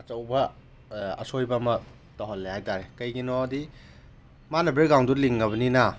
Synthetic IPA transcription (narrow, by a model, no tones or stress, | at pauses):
ɐt͡ʃɐwbɐ | ɐ̰sojbɐːmɐ | toɦɐlːehajtaɾekɐjɡinɔɐdi | manɐbɾiɾɡawnduliŋːɐβɐninɐ